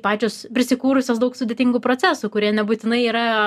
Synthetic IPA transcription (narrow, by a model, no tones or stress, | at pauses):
pɑːt͡ʃʲoːspʲɾʲɪsʲɪkuːɾʊsʲoːsd̪ɐʊksʊd̪ʲeɛt̪ʲɪŋɡʊpɾoːt͡sʲæːsʊkʊɾʲiɛnʲɛbuːt̪ʲɪnɐɪiːɾɐ